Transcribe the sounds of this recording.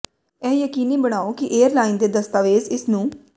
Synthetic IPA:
ɛːjəkiːniːbəɽ̃aːoːkɪʔeːəɾlaːind̪eːd̪əst̪aːʋeːzɪsnũː

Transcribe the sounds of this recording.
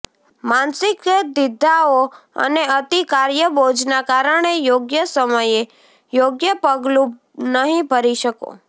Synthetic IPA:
mansɪkəd̪ɪd̪ʱaoə̰neət̪ikaɾjəbod͡ʒnakaɾəɳ̃ejoɡjəsəməje | joɡjəpəɡlũ | nəɦĩbʱəɾiʃəko̰

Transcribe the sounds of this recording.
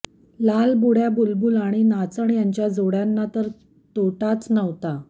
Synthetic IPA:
lalbuɽjabulbuːlaɽ̃inat͡səɳjaɲt͡ɕjad͡zoɽjanːat̪əɾ | t̪oʈat͡snəʋt̪a

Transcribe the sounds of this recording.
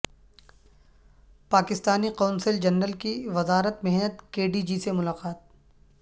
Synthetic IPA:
paːkɪst̪aːniqɔ̃ːnsəld͡ʒɐnːəlkiʋɐzaːɾət̪̚mɛɦnət̪keːɖiːd͡ʒisemʊlaːqaːt̪̚

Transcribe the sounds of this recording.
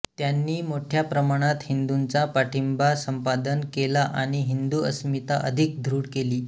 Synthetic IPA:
t̪janːiːmoʈʰjapɾəmaɽ̃at̪hind̪unt͡sapaʈʰimbasəmpad̪ənkelaʔaɽ̃iɦind̪uəsmit̪aʔə̰d̪ʱik̚d̪ʱɾuːɽkeliː

